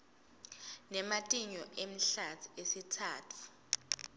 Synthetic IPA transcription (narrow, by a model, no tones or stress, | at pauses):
nɛmatʼiɲɔʔem̩ɬatʰu̥esitʰaːtʰu̥